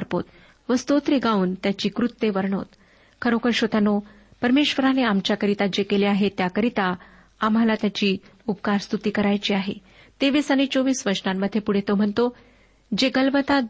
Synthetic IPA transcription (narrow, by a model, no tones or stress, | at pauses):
əɾpo̰t̪ | ʋəst̪ot̪ɾeɡauːnt̪jat͡ɕiːkɾut̪ːeʋəɾɳo̰t̪ | kʰəɾokʰəɾɕot̪ano | pəɾmeɕʋəɾaneamt͡ɕjakəɾit̪ad͡ʑekeleaɦet̪jakəɾit̪aː | m̤alat̪jat͡ɕiː | up̚kaɾst̪ut̪iːkəɾajt͡ɕiːaɦḛ | t̪eʋiːsaɽ̃it͡soʋiːsʋəɾɕnamːəd̪ʱːjepuɽ̤et̪om̤əɳt̪o | d͡ʑeɡəlʋət̪a